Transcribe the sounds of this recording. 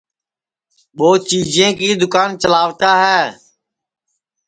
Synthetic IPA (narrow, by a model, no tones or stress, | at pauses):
ɓoːt͡ʃiːd͡ʒẽːkiːd̪ʊkaːnt͡ʃəlaːʋt̪aːɦɛː